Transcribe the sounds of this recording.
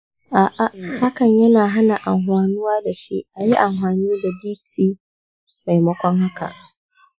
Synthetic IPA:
ʔa˨ʔa˦˨ha˦kɐ˨ɲjɐ˦naː˨ɦa˦na˨ʔa˨mɦwaː˨nʊ˦waː˦da˨ʃḭ˦ʔa˨ji˦ʔa˨mɸaː˨niː˦da˨diː˦tiː˦ | ma˨jmɐ˦kʷɔ˦ŋha˦ka̰˨ʔ

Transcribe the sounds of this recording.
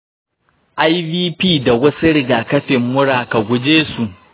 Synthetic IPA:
ʔa˦jviː˦piː˦da˨wɐ˦siu˦ɽɪ˦ɡaː˨kɐ˦ɸɪ˨mːʊ˦ɽaː˨ka˨ɡʷʊ˦d͡ʒeː˦su˨ʔ

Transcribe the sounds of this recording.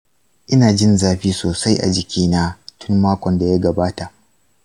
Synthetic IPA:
ʔɪ˦naː˨d͡ʒɪ˦nzaː˦ɸiː˦soː˨sa˦jʔa̰˨d͡ʒɪ˨kʲʰiː˦na˦tʊ˦mːaː˦kʷɔ˨nda˨ja˦ɡɐ˨baː˦ta˨ʔ

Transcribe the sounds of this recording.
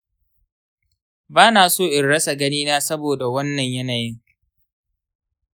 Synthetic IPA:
baː˦naː˨soː˦˨ʔɪ˨nɽɐ˦sa˨ɡɐ˦niː˦naː˦sɐ˦boː˨da˨wɐ˦nːɐ˨ɲjɐ˦naː˨jɪ˦ŋ

